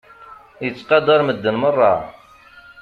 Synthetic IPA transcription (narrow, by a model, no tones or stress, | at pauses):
jət͡sːqɑd̪ɑɾˤməd̪ːənmərˤːɑ